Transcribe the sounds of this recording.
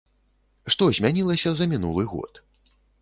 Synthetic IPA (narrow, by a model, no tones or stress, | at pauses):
ʂt̪ɔzʲmʲanʲilˠɐsʲɐzɐmʲinṵlˠɨɣɔ̰t̪